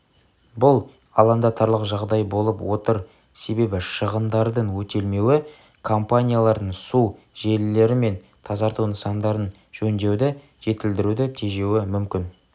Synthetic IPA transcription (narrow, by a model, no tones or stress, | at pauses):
bʊlˠ | ɑ̰lˠɑnd̪ɑt̪ɑɾlˠəqʒɑʁd̪ɑjbo̞lˠəpwo̞t̪əɾ | se̞be̞bɪʃəʁənd̪ɑɾd̪əɴwɵt̪e̞lme̞wɪ | kʰo̞mpanʲijalˠɑɾd̪əɴsu | ʒe̞lɪle̞ɾɪme̞n | t̪ʰɑzɑɾt̪unəsɑnd̪ɑɾən | ʒ̥ɵnd̪e̞wd̪ɪ | ʒ̥e̞t̪ɪld̪ɪɾud̪ɪt̪ʰe̞ʒe̞wɪmʏmkʲɪn